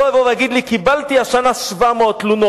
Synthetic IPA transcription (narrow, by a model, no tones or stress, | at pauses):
oavoveaɡid̪likibalt̪iaʃanaʃvameot̪luno